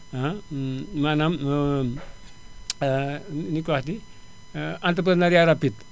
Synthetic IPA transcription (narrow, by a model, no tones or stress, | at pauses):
a | manam | nikʋat̪i | ant̪ɾəp̬ɾəd̪naɾiaɾapit̪